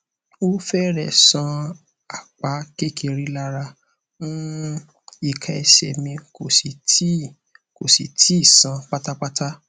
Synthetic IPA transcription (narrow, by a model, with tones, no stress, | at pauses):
o˦fɛ˦ɾɛ˨sã˧ | a˨k͡pa˨˦ke˦ke˧ɾi˦la˦ɾa˧ | mũ˦ | i˦˨kʰa˨ɛ̰˧ʃɛ˨mĩ˧ko˨si˨ti˦ | ko˨sḭ˨tʰi˨˦i˦˨sã˨˧k͡pa˦ta˦k͡pa˦ta˦